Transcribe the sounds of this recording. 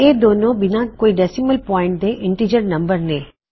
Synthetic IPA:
eːd̪oːnõbɪnãkoːiɖɛsiməlpɔːɪ̃ɳʈ̚d̪eʔɪ̃ɳʈid͡ʒəɾnɐ̃mbəɾnẽː

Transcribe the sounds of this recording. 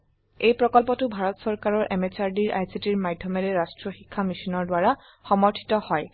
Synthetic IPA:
ejpɹɔkɔlpɔtʊbʱaɹɔtsɔɹkaɹɔɹʔɛmet͡ʃaɹdiɹʔa̰jsitiɹmajdʱjɔmɛɹɛɹastɹɔxikʰːamisinɔɹdwaɹa | xɔmɔɹtʰi̥tɔhɔj

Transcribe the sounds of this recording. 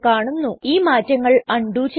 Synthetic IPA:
kaːɳunːuʔiːmaːtːɐŋːɐɭɐɳɖuːt͡ɕe

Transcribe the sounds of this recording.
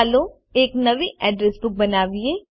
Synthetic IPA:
lo | eːknɐʋiʔɛːɖɾɛsbʊk̚bɐnaːʋieː

